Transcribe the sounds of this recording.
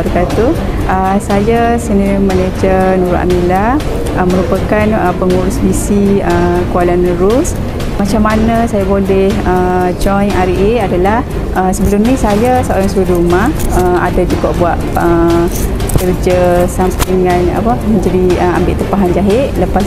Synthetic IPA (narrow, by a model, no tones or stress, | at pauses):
əɾkat̪u | ʔəsajasəniməned͡ʒənuɾʊʔa̰mila | əmə̃ɾupəkanəpəŋuɾʊsbisiəkualanːəɾʊs | mat͡ʃamːanəsajabolɛhəd͡ʒɔjnaɾiʔeadalah | ʔəsəbəlʊmnisajasəo̰ɾaŋsuudɾumaəa̰dad͡ʒuɡaʔbuaʔə | kəɾd͡ʒəsampaŋana̰pəmə̃ɲd͡ʒadiəa̰mbɪ̰ʔt̪əmpaɦand͡ʒaɦɪʔləpas